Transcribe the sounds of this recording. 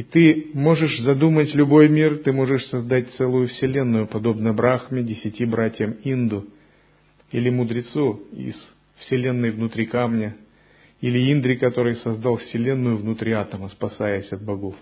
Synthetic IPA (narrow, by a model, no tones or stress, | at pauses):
ɪt̪ɨmo̞ʐɨʂzɐd̪umətʲlʲʊbo̞jmʲirt̪ɨmo̞ʐɨʂsɐzd̪at̚ʲt̪sɛlˠʊjʊfsʲɪlʲe̞nːʊjʊpɐd̪o̞bnəbɾaxmʲɪdʲɪsʲɪtʲibɾatʲjəmind̪ʊ | ilʲɪmʊd̪ɾʲɪt̪suḭs | fsʲɪlʲe̞nːɨjvnʊt̪ɾʲikamnʲə | ilʲɪind̪ɾʲɪkɐt̪o̞ɾɨjsɐzd̪alˠfsʲɪlʲe̞nːʊjʊvnʊt̪ɾʲiat̪əməspɐsajəsʲɐt̪̚bɐɡo̞f